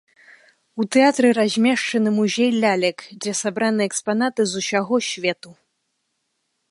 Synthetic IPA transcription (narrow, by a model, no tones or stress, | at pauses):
ut̪ɛat̪ɾɨɾazʲmʲɛʂt͡ʂɐnɨmuzʲejlʲalʲɛkd͡zʲɛsabɾanɨɛkspan̪at̪ɨzusʲaɣɔsʲvʲɛt̪u